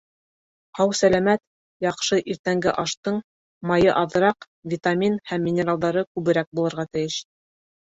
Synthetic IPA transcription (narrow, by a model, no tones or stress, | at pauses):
ɑwsælæmæt̪ | jɑqʃɤʔiɾt̪æŋɡɘʔɑʃt̪ɤɴ | mɑjɤʔɑðɤ̆ɾɑq | vʲit̪amʲinhæmːʲɪnʲeɾalˠd̪ɑɾɤkʉβɘ̆ɾæk̚bulˠɤ̆ɾʁɑt̪ɘ̆jɘʃ